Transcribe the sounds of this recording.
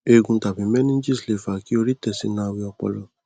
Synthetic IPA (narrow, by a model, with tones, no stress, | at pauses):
e˧ɡũ˧ta˨bĩ˨˦mɛ̃˦nĩ˦d͡ʒi˦˨sle˨fa˨ki˦o˧ɾi˦tɛ˦˨si˧˦nã˧˦˧wi˧ɔ˧k͡pɔ̰˧˨lɔ˨